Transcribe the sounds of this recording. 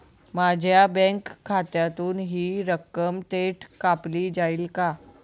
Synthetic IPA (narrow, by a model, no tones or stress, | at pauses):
mad͡ʑʱjabɛ̃ŋkʰːat̪jat̪uːnɦiːɾəkːəmt̪eʈkapliːd͡zaiːlka